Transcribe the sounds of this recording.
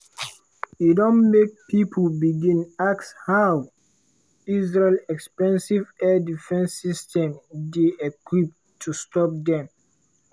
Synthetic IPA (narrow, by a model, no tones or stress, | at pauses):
idõnmek̚pipʰəlbiɡĩnakshaw | izɹelɛkspɛ̃nsivɛdifɛ̃nsistɛ̃mdeekwip̚ | tʰːustɔp̚dɛ̃m